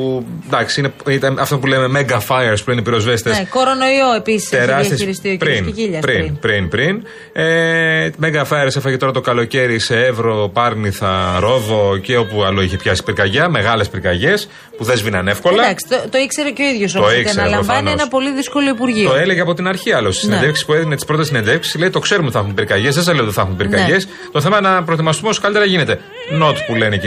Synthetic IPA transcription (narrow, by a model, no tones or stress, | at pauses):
d̪ɐksiineit̪ɐnɐft̪op̬uleme̞meɡɐfɐjeɾspulenepiɾo̞zvest̪ensekoɾo̞no̞ioepisi̥st̪eɾɐst̪siɾist̪iopɾinʝiʎɐpɾinpɾinpɾin | emeɡɐfɐieɾsefɐɣit̪oɾɐt̪o̞kɐlo̞ce̞ɾise̞evɾo̞pɐɾniθɐɾo̞vo̞ceo̞puɐlo̞içe̞pçɐsi̥piɾkɐʝɐme̞ɣɐle̞spiɾkɐʝe̞s | puðe̞zvinɐne̞fko̞lɐɐksot̪oikseɾeceoiðʝosot̪oikseɾelɐovɐnenɐpo̞liðisko̞loipuɾʝiot̪oeleʝeɐpo̞t̪inɐɾçiɐlost̪isinend̪efksi̥spueðinet̪ispɾot̪es̬inend̪efksi̥sleit̪okse̞ɾumiθɐxumpiɾkɐʝe̞zðes̬ɐzleot̪iθɐxumpiɾkɐʝe̞s | t̪o̞θe̞mɐnɐpɾoet̪imɐst̪umeoskɐlit̪eɾɐʝine̞t̪e̞ | no̞t̪pulene